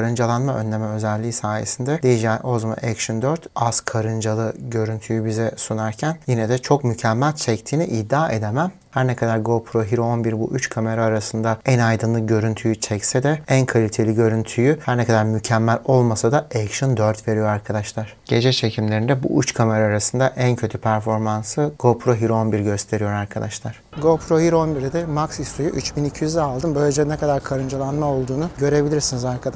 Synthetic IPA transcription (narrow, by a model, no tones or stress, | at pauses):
kʰaɾɯnd͡ʒalˠanmaʔønlʲemɛø̞zɛlʲːiːsaːjḛsind̪ɛd̪ejid͡ʒɛʔozma̰ɛkʃɯnd̪øɾt̪askʰaɾɯnd͡ʒalˠɯɟø̞ɾynt̪ʰyjybizɛsunaɾcʰænjinɛd̪ɛt͡ʃʰo̞k̚mycʰɛmːælʲt͡ʃʰɛct̪ʰiːniʔid̪ːaːʔe̞d̪emæm | hæɾnɛkʰad̪aɾɡo̞pʰɾoɦiɾoonbiɾbuʔyt͡ʃkʰame̞ɾaːɾasɯnd̪aænajd̪ɯnlˠɯɟø̞ɾynt̪ʰyjyt͡ʃʰɛcsɛd̪ɛænkʰalʲit̪ʰe̞lʲiɟø̞ɾynt̪ʰyjyhæɾnɛkʰad̪aɾmycʰæmːælʲo̞lˠmasad̪aɛkʃɯnd̪øɾt̪ve̞ɾijo̞ɾaɾkʰad̪aʃlˠaɾ̥ɟ̥e̞d͡ʒɛt͡ʃʰe̞cʰimlʲeɾind̪ɛbṵʔyt͡ʃkʰame̞ɾaːɾasɯnd̪aʔæncʰø̞t̪ʰypʰæɾfo̞ɾmansɯɡ̥o̞pʰɾo̞ɦiɾo̞nbiɾɟø̞st̪ʰe̞ɾijo̞ɾaɾkʰad̪aʃlˠaɾ̥ɡopʰɾohiɾo̞nbiɾd̪ɛmaksist̪ʰojyʔyt͡ʃbinicʰijyzd̪ɛalˠd̪ɯmbø̞jlʲed͡ʒɛnɛkʰad̪aɾkʰaɾɯnd͡ʒalˠanmao̞lˠd̪uːnuɟø̞ɾe̞bilʲiɾsinizaɾkʰad̪